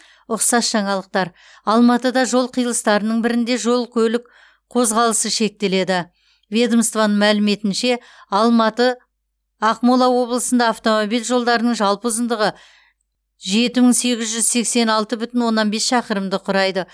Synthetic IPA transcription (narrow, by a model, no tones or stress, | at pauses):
ʊqsɑsʒ̥ɑɴɑlˠəq̚t̪ɑɾ | ɑlˠmɑt̪əd̪ɑʒo̞lˠqʰijəlˠəst̪ɑɾənəɴbɪɾɪnd̪e̞ʒo̞lˠkʲʰɵlɪk | qʰo̞zʁɑlˠəsəʃe̞k̚t̪e̞le̞d̪ɪ | vʲe̞d̪omst̪vanəɴmælɪme̞t̪ɪnʃe̞ | ɑlˠmɑt̪ə | ɑqmolˠɑwo̞blˠəsənd̪ɑːft̪o̞mobijlʒo̞lˠd̪ɑɾənəɴʒɑlˠpəzənd̪əʁə | ʒe̞t̪ɪmɪŋse̞ɡʲɪzʒʏzse̞kse̞nɑlˠt̪əbʏt̪ɪnwo̞nːɑnbe̞sʃɑqəɾəmd̪əqʰʊɾɑjd̪ə